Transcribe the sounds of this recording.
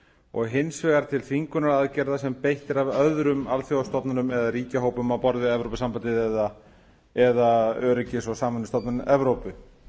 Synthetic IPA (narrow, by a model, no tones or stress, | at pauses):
ɔ̰ɣɦɪnsvɛːɣaɾ̥t̪ʰɪlfiŋkʏnaɾaðcɛɾðasɛmpejht̪ɪɾavœðɾʏmalfjowst̪ɔp̪nanʏmɛðaɾiːcaɦoːwpʏmawpɔɾðʏɛvɾowpɪsampant̪ɪðɛða | ɛðaœːɾɪcɪsɔɣsaːmvʏnɪst̪ɔp̪nanmʔɛvɾowpʏ